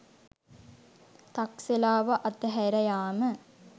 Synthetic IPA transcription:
t̪akselaːʋaʔat̪əɦæjɾɐjaːmə

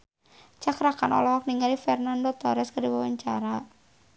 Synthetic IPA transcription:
t͡ʃakɾakanɔ̰lɔhɔk̚niŋalifɛrnandot̪ɔɾɛskərdiwawaɲt͡ʃaɾa

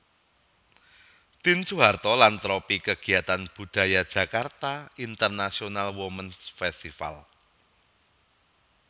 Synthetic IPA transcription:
t̪int͡ʃuɦart̪ɔlant̪ɾɔpikəɡ̥i̤at̪anb̥ṳd̪̥ä̤jad̥ʒ̥ä̤kart̪aint̪ərnasionalwomənsfɛst̪ifa̰l

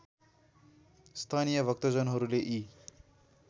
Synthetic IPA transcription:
st̪ʰanijʌbʱʌk̚t̪ʌd͡zʌnɦʌɾuleʔi

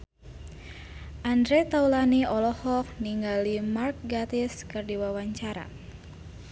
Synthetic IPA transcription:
ʔandɾɛt̪aulaniɔlɔhɔk̚niŋɡalimark̚ɡat̪iskɨrdiwawaɲt͡ʃaɾa̰

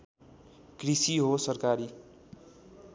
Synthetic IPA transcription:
krisiɦosʌrkaɾi

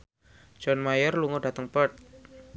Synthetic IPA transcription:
d͡ʒɔnmajərluŋɔdat̪əŋpət̪̚

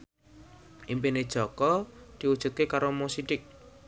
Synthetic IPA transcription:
ʔimpined̥ʒ̥ɔkɔd̪̥i̤wud̥ʒ̥ṳt̪̚kekaɾomosiɖɪk̚

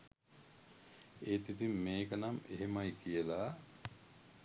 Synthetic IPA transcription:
eːt̪it̪imːeːkənameɦemajkijəlaː

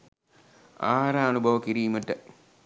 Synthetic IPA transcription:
a̰ːɾaɐnubʱɐʋɐkiɾiːmɐʈːɐ

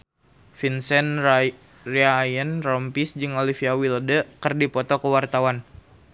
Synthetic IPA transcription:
finsɛn | riajənrɔmpisd͡ʒɨŋolifiawilədəkərdipɔt̪ɔkəwart̪awan

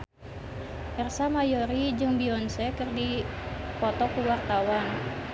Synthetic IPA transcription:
ʔɛrsamajɔɾid͡ʒɨŋbiɔnsɛkɨrdipɔt̪ɔkuwart̪awan

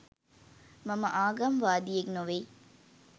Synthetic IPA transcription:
mɐmɐʔaːɡɐmʋaːd̪ijeknoʋe

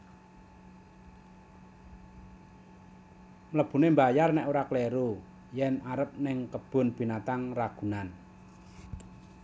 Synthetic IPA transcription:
ləb̥ṳnembajarnɛʔoɾakleɾu | jɛnaɾəp̚nɪŋkəb̥ʊ̤nb̥i̤nat̪aŋraɡ̥ṳnan

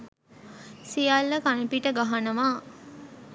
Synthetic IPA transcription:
sijalːəkanipiʈəɡaɦanəʋaː

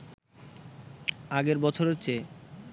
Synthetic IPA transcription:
aɡeɾbɔt͡ɕʰoɾɦotːɕʰe

